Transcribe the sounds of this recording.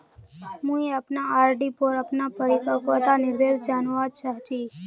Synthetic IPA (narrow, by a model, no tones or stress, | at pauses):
mũeapnaaːɾɖipoɾəpnapəɽipəkʋət̪anɪɾd̪esd͡ʒaːnʋad̪t͡ʃəɦt͡ʃiː